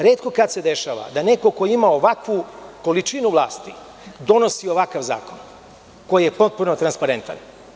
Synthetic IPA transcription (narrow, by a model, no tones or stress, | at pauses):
ɾe̞ːt̪̚ko̞kat̪sed̪e̞ʃaːʋa̰d̪ane̞ko̞ko̞jimaoʋakʋuko̞lit͡ʃinuʋlˠa̰ːst̪i | d̪o̞no̞sio̞ʋakaʋza̰ːko̞n | ko̞jije̞po̞t̪̚punot̪ɾanspaɾent̪a̰n